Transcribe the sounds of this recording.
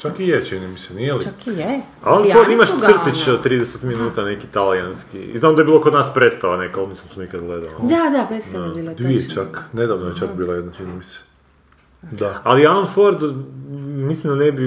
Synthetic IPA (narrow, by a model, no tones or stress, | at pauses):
t͡ʃakijet͡ʃinimisenilit͡ʃakije | a̰lonfoɾd̪imaʃr̩t̪it͡ʃt̪ɾid̪eset̪minuːt̪anekit̪alijanskḭznaːmd̪ajebilokod̪naːspɾe̞t̪st̪aʋanekaoniːsamt̪onikad̪ɡled̪alod̪ad̪apesaid̪ʋiet͡ʃakned̪aʋnojet͡ʃakbiːlˠajed̪nat͡ʃinimise̥ | d̪aalialonfoɾd̪ | mislimd̪anebi